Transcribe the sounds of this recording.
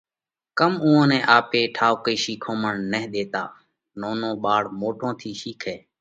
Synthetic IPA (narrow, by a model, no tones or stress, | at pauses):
kəmʊːõːnɛ̃ːʔaːpeːʈʰaːʋkiːʃiːkʰõːməɳːɛɦɗ̪eːt̪a̰ː | noːnõːɓaːɽmoːʈʰõːt̪ʰiːʃiːkʰeː